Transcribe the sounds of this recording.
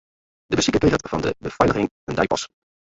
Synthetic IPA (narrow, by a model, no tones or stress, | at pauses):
d̥əbəsikəpejχətvɑndə̰bəfɛjdəχɪŋ | əndɛjpɑ̰s